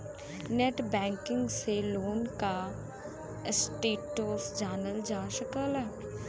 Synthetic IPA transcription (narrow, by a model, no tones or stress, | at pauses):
neʈbɛ̃ːŋkɪŋɡseloːnka | sʈeːʈːoːsd͡ʒaːnəld͡ʒãːʃəkəlɛ